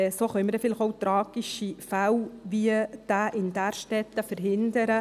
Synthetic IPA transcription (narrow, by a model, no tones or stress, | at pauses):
soːχœʏməɾɛfɪlɪχowt̪ɾɑːɡ̥iʃifæwviəd̥̪aːʔɪnd̥̪æɾʃtɛt̪ːəfəɾɦɪnd̪əɾə